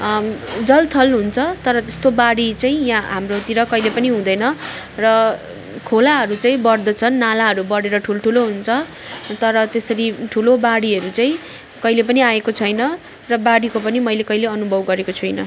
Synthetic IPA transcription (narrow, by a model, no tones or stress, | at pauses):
d͡zʌlt̪ʰʌlɦunt͡sʰʌt̪ʌɾʌt̪est̪obaɽit͡saĩjãɦamrot̪iɾʌkʌjlepʌniɦũd̪ʌjnʌ | rʌ | kʰolaɦʌɾut͡saĩbʌrd̪ʌt͡sʰʌnːalaɦʌɾubʌɽeɾʌʈʰulʈʰuloɦunt͡sʰʌ | t̪ʌɾʌt̪esʌɾiʈʰulobaɽiɦʌɾut͡saĩ | kʌilepʌniaekot͡sʰʌjnʌ | rʌbaɽikopʌnimʌjlekʌijleʌnubʱʌbɡʌɾekot͡sʰujnʌ